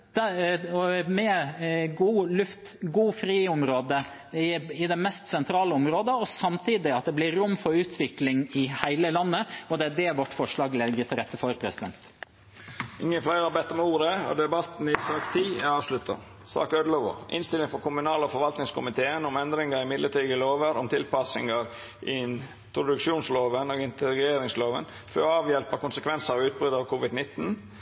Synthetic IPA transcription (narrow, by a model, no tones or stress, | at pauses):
d̪̥ɔmɛɡuːlʉft̪ | ɡuːfɾiːʊmɾoːd̪ə | ɪɪd̪ɛmɛst̪sɛnt̪ʰɾɑːləɔmɾoːd̪əɔsɑmt̪ʰiːd̪ɪɑt̪̚d̪ɛblɪɾʊmːfɔɾʉːt̪ʰʋɪklɪŋɪhæɪləlɑnːəɔd̪ɛæɖɛʋɔʈːfɔʂɭɑːɡlɛɡət̪ʰɪlɾɛt̪ːəfɔɾpʰɾɛsɪd̪ɛ̰nt̪ | ɪ̰ŋːəflæɪɾɑbɛt̪ːɔmuːɾəɔ̰d̪ɛbɑt̪n̩ɪsɑːkt̪ʰiːæɑːʋʂlʉt̪ːə̰ | sɑ̰ːkœd̪lɔʋʊ̰ʔɪ̰nst̪ɪlɪŋfɔɾkʊmʉnɑːləɔfɔɾʋɑlt̪nɪŋskʊmɪt̪ʰeːənʊmɛnd̪ɾɪŋəɾɪmɪd̪ləʈiːɡəloːʋəɾɔmt̪ʰɪlpɑsɪ̰ŋəɾ | ʔɪ | pʰɾʊd̪ʉkʃuːnsloːʋənɔɡɪnt̪əɡeːɾɪŋsloːʋə̰n | fɔɾɔɑːʋjɛlpəkʊnsəkʰʋɛnsəɾɔʉːt̪̚bɾʏd̪ɑʋkʰuːʋɪd̪nɪt̪ːn̩